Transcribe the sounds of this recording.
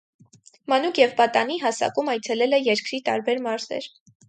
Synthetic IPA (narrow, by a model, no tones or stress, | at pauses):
mɑnukʰjɛvbɑt̪ɑniɦɑsɑ̰kumɑjt͡sʰɛlɛlɛjɛɾkɾit̪ɑ̰ɾbɛɾmɑɾzɛ̰ɾ